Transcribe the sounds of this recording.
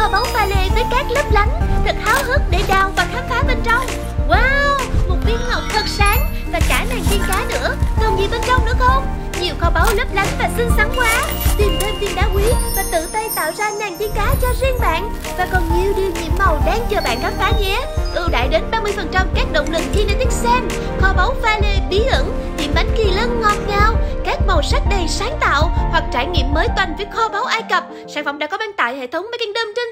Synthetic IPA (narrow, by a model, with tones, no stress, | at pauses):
kɔ˧˩ɓa˨˦wfaː˨˩le˧˩vəː˨˦jkaː˦˥k̚lə˦˥p̚la˨˦jŋ̟t̪ʰɨ˨˩k̚haː˨˦wɦɨ˦˥k̚ɗe˧˩ɗaː˨˩wvaː˨˩xaː˦˥kfaː˨˦ɓe˧nt͡ɕɔ˧wŋ͡m | waː˧wmʊ˨˧˩ŋ͡mɓi˧ənŋə˨˩wŋ͡m̚t̪ʰə˨˩t̚saː˨˦ŋ | vaː˨˩kaː˧˩naː˨˩ŋt̪i˧ənkaː˨˦nɨ̰˧˥ək̪ə˨˩nvḭ˧˨ɓe˧nt͡ɕɔ˧wŋ͡mnɨ̰˧˥əxo˧ŋ͡m | ɲi˨˩əwkɔ˧˩ɓa˨˦wlə˦˥p̚la˨˦jŋvaː˨˩sɨ˧ŋsa˨˦ŋhwaː˨˦ | t̪i˨˩mte˧nt̪i˧nɗaː˨˦wkwi˨˦vaː˨˩t̪ɨ̰˧˨t̪ə˧jt̪a̰ː˧˨wzaː˧naː˨˩ŋt̪i˧ənkaː˨˦t͡ɕɔ˧zi˧əŋɓa̰ː˧˨n | vaː˨˩kɔ˨˩nɲi˧˩əwɗi˧əɲḭ˧˨əmːə˨˩wɗaː˧ŋt͡ɕɔː˨˩ɓa̰ː˧˨nkaː˨˦˥faː˨˦zɛ˨˦ʔɨ˧˩wɗa̰ː˧˨jɗe˨˦nɓaː˧mɨ˧əjfə˨˩nt͡ɕa˧mkaː˦˥k̚ɗo̰˧˨wŋ͡mlɨ˨˩ŋ̚ki˧nə˧t̪ʰi˦˥k̚sɛ˧m | xɔ˧ɓa˨˦wfaː˧le˧˩ɓi˨˦ʔə˧˩˥ŋt̪ḭ˧˨əmɓa˨˦jŋki˨˩lə˧nŋɔ˨˩p̚ɲaː˧˩wkaː˦˥k̚mo˨˩sa˦˥k̚ɗə˨˩jsaː˨˦ŋt̪a̰ː˧˨whwa˨˩k̚t͡ɕaː˧˩jŋḭ˧˨əmːəː˨˦jt̪wa˨˩jŋ̟vəː˨˦jxɔ˧ɓa˨˦wʔaː˧jkə˨˩p̚saː˧˩nfə̰˧˨ŋ͡mɗaː˧˥kɔ˨˦vaː˧ŋt̪a̰ː˧˨jhḛ˧˨t̪ʰə˨˦wŋ͡mmaː˨˦jka˧ŋt̪əː˧mt͡ɕə˧ŋ̟